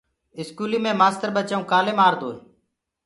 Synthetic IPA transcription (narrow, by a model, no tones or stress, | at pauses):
ɪskuːlĩːmẽːmaːst̪əɾɓət͡ʃaũːkaːleːmaːɾd̪oːe